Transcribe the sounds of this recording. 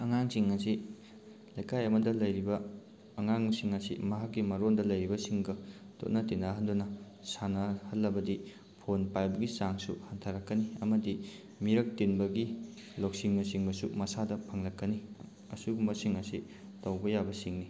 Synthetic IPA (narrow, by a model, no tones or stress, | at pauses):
ɐŋaŋsiŋɐsi | lɐjkʰajɐmɐdɐlɐjɾibɐː | ŋaŋsiŋɐsḭmɐɦakːimɐɾondɐlɐjɾibɐsiŋɡɐ | to̰tnɐtenɐɦɐndunɐ | sanɐhɐlːɐbɐdi | pʰonpajbɐɡisaŋsṵhɐntʰaɾɐkːɐniɐmɐdi | miɾɐk̚tinbɐɡiloksiŋmɐsiŋbɐsumɐsadɐpʰɐŋlɐkːɐni | ɐsuɡumbɐsiŋɐsi | tɐwbɐjabɐsiŋni